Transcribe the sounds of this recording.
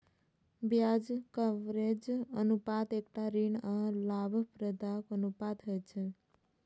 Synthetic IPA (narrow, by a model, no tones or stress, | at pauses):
bjad͡ʒkəʋɾed͡ʒənupat̪ekʈaɾiɳãlabʱpɾəd̪akənupat̪ʰəjt͡ʃʰe